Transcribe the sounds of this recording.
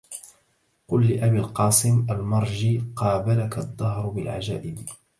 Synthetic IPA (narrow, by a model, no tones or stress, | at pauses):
qʊlːɪʔabiːlqɑːsˤɪmʔalmɑɾˤd͡ʒiːqɑːbalakad̪ˤːɑhɾbɪlʕa̰d͡ʒa̰ːʔɪd̪